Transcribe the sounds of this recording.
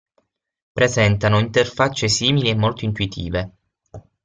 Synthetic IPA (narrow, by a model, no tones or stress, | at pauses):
pɾezɛnt̪anoint̪erfat͡ʃːesiːmiliemːolt̪oint̪uit̪ʰḭːve